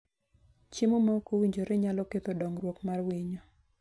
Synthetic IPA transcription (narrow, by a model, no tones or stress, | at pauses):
t͡ʃemomakowiɲd͡ʒoɾeɲalɔket̪odɔŋrwokmarwiɲo